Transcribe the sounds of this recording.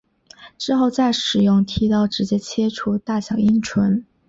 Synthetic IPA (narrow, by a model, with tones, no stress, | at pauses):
ʈ͡ʂɻ̩˥xo˥˧ʊt͡sa˥˩ɪʂɻ̩˨˩jʊ˥˩ŋt̪ʰi˧˥t̪ɑ˥˩ʊʈ͡ʂɻ̩˧˥t͡ɕjɛ˥t͡ɕʰjɛ˥ʈ͡ʂʰu˥t̪a˥˩ɕjɑ˨˩ʊi˥nʈ͡ʂʰwə˧˥n